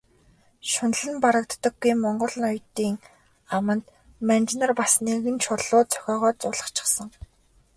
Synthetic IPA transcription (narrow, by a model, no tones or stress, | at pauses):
ʃʊn̆ɮɘ̆mpaɾə̆k̚t̪ːə̆ɡɡːujmɔɴɢɞ̆ɮ̆nʊjt̪ːiːŋ | amə̆nt̪ | mænt͡ɕnărpasneɣɘ̆nt͡ɕʰʊrɮʊːt͡sʰœ̥xʲɔːʁœːt͡sʊɮə̆χt͡ɕʰɪ̥̆χsə̆ŋ